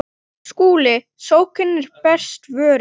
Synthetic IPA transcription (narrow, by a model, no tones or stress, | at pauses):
skuːlɪ | soːwkʰɪnːɪɾ̥pɛr̥st̪vœːɾ